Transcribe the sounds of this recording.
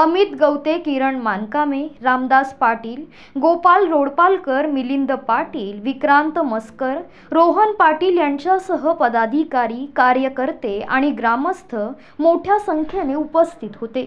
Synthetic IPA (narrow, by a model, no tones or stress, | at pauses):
əmit̪ɡəwt̪ekiɾəɳmankameɾamd̪aspaʈiːl | ɡopalɾoɽpalkəɾmilind̪əpaʈiːlʋikɾant̪məskəɾ | ɾoɦənpaʈiːljaɲt͡ɕjasəɦəpəd̪ad̪ʱikaɾiːkaɾjəkəɾt̪ea̰ɽ̃iɡɾaməst̪ʰə | moʈʰjasəŋkʰjeneupəst̪ʰit̪ɦot̪e